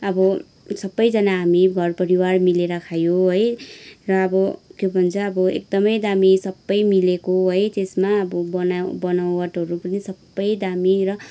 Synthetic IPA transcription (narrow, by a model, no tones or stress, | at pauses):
ʌbʌ | sʌbːʌjd͡zʌnaɦamiɡʱʌrpʌɾiwarmileɾʌkʰajoɦojrʌːbʌkjobʱʌnt͡sʰʌʌbʌḛk̚d̪ʌmʌjd̪amisʌbːʌjmilekoɦʌjt̪esmaʌbʌbʌnabʌnaw̃wʌʈɦʌɾupʌnisʌbːʌjd̪amirʌ